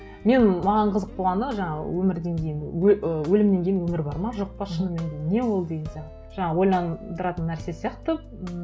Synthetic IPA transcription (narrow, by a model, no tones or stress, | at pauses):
me̞nmɑʁɑɴqʰəzəq̚bʰoʁɑnd̪əʒɑɴɑʁə̰wɵmɪɾd̪e̞ŋkʲʰe̞jɪnɵəwɵlɪmne̞ŋkʲe̞jɪnwɵmɪɾbɑɾmɑʒo̞q̚pɑʃʃənəme̞ŋɡʲenːe̞wo̞lˠd̪e̞ɡʲensijɑ | ʒ̥ɑɴɑwo̞jlˠɑnd̪əɾɑt̪ənːæɾse̞sijɑqt̪ə